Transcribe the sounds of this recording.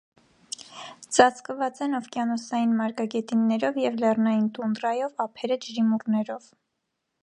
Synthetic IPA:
t͡sɑt͡sʰkəvɑt͡sɛnɔvkjɑnɔsɑjinmɑɾkɑɡɛt̪inːɛɾɔvjɛvlɛrnɑjint̪und̪rɑjɔvɑpʰɛɾəd͡ʒɾimurnɛɾɔv

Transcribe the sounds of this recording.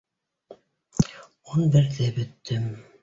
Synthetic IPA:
onbɘ̆ɾðɘbɵ̆t̪ːɵm

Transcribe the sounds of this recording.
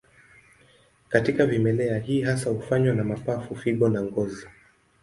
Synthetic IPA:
katikavimɛlɛaɦiːɦasahufaɲwanamapafufiɓɔnaŋɡɔza

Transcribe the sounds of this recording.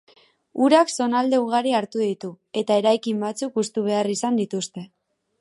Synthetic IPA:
uɾakso̞nald̪e̞uɣ̞aɾiaɾt̪uðit̪u | e̞t̪ae̞ɾajkimbat͡sukust̪uβ̞e̞arisand̪it̪ust̪e̞

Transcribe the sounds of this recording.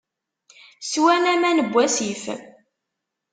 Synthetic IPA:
swænæmænəbʷːæsif

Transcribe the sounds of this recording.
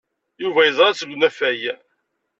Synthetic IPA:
juvæjəzˤɾˤɑt͡sːəɡʷnæfæjæ

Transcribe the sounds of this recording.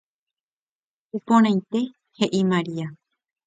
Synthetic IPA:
upõɾ̃ãj̃t̪e̞ | he̞ʔimaɾia

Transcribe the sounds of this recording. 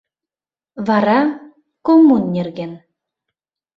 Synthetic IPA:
βɑɾɑ | komunːʲerɣen

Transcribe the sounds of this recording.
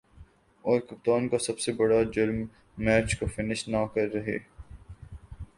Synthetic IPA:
ɔːɾkʊpt̪aːnkasɐbsebɐɽad͡ʒʊɾmː | ɛːt͡ʃkofɪnɪʃnakɐɾːɐɦḛː

